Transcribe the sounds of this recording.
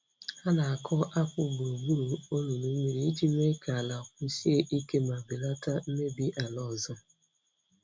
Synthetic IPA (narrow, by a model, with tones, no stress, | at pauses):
a˦na˨a˨kʰɔ˦ʔa˦kʷʊ˦bʊ˨ɾo˨ɡ͡bu˦ɾu˨o˦lu˨nu˨m̩˦mi˨ɾi˦i˦d͡ʒi˦me˦ka˨a˨la˨kʷʊ˦si˦e˦ʔi˦ke˦ma˨bi˨la˦ta˦m̩˦me˦bi˦ʔa˨lɔ˦˨zɔ˦